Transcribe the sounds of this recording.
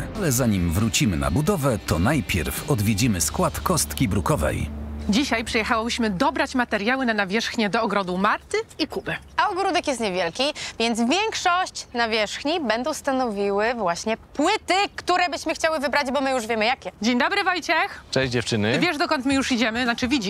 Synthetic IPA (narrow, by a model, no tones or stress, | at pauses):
alɛzaɲimvɾut͡ɕimɘ̰na̰bud̪ɔvɛt̪ɔnajpʲjɛ̰ɾfɔd̪vʲjed͡ʑimɘskwat̪kɔst̪kʲibɾukɔvɛ̰jd͡ʑiɕajpʂɛjɛxawɔbɘɕmɘd̪ɔbɾat͡ɕmat̪ɛɾjawɘnanavʲjɛʂxɲɛd̪ɔːɡɾɔd̪umaɾt̪ɘikubɘ | aɔɡɾud̪ɛkjɛst̪ɲɛvʲjɛlkʲivʲjɛnd̪zvʲjɛŋkʂɔɕt͡ɕnavʲjɛʂxɲibɛnd̪ɔ̃w̃st̪anɔvʲiwɘvwaɕɲɛpwɘt̪ɘkt̪uɾɛbɘɕmɘxt͡ɕawɘvɘbɾad͡ʑbɔmɘjuʐvʲjɛmɘjakʲɛd͡ʑeɲd̪ɔbɾɘvɔjt͡ɕɛxt͡ʂɛ̃ʑd͡ʑɛft͡ʂɘnɘvʲjɛʐd̪ɔkɔnt̪mɘjuʂid͡ʑɛmɘat͡ʂɘvʲid͡ʑi